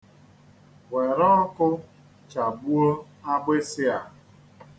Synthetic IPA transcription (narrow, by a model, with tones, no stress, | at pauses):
we˨ɾɔ˦ɔ˦kʊ˦ | t͡ʃa˨ɡ͡bu˦ɾo˦ | a˦ɡ͡be˦sɪ˦a˨